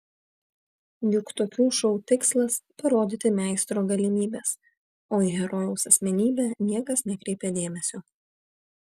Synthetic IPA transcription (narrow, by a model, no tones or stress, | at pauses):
jʊkt̪oːkʲuːʃɔʊt̪ʲɪkslˠɐspɐɾoːd̪ʲit̪ʲɪmʲæˑɪst̪ɾoːɡɐlʲɪmʲiːbʲeːs | oːiːɣʲɛɾɔjɛʊsɐsʲmʲɛnʲiːbʲænʲiɛkɐsnʲɛkɾʲɛɪpʲeːd̪ʲeːmʲɛsʲoː